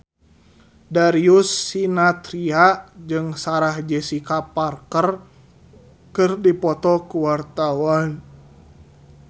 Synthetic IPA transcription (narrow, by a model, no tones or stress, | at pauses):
daɾiusːinat̪ɾiad͡ʒɨŋsaɾahd͡ʒɛsikaparkər | kɨrdipɔt̪ɔkuwart̪awan